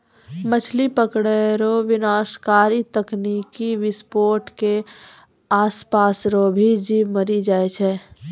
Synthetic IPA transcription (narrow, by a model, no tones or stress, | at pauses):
mət͡ʃʰlipəkɽeɾoʋɪnaːskaːɾit̪əknikiʋɪspoːɾʈke | aːspasɾobʱid͡ʒiməɾid͡ʒaːɛt͡ʃʰɛ